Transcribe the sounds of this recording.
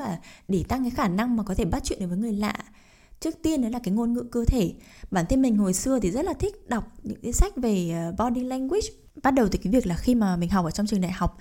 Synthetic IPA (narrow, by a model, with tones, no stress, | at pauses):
aː˨˩ɗe˧˩t̪a˧ŋkaː˨˦jxaː˧˩na˧ŋmaː˨˩kɔ˨˦t̪ʰe˧˩ɓa˦˥t̚t͡ɕwḭ˧˨nɗo˨˦vːjŋɨ˨˩əjla̰ː˧˨ | t͡ɕɨ˦˥ək̚t̪i˧ənɗɔ˨˦laː˨˩kaː˨˦jŋo˧nŋɨ̰˧˨kəː˧t̪ʰe˧˩ | ɓaː˧˩nt̪ʰe˧nmï˨˩ŋ̟ɦo˨˩jsɨ˧ət̪ʰi˨˩zə˦˥t̚laː˨˩t̪ʰï˦˥k̟̚ɗa˨˩wk͡p̚ɲɨ̰˧˥ŋkaː˨˦jsa˦˥jk̟̚ve˨˩˨ɓɔ˧ɗi˧ŋla˧ŋkwi˦˥t͡ɕ | ɓa˦˥t̚ɗə˨˩wt̪ːkaː˨˦vi˨˩ək̚laː˨˩xi˧maː˨˩mï˨˩ŋ̟ɦa˨˩wk͡p̚əː˧t͡ɕɔ˧ŋ͡mt͡ɕɨ˨˩ŋɗa̰ː˧˨jha˨˩wk͡p̚